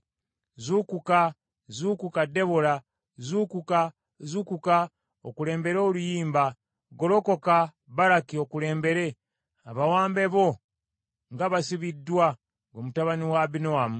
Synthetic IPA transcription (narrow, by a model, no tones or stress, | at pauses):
zukuka | zuːkukade̞βola | zuːkuka | zukuka | o̰kule̞ːmbe̞ɾo̞ːlujiːmba | ɡo̞lo̞ko̞ka | βaɾakio̞kule̞ːmbe̞ɾe̞ | aβawaːmbe̞βo̞ | ŋɡaβasiβidwa | ɡomutaβaniwabinoamu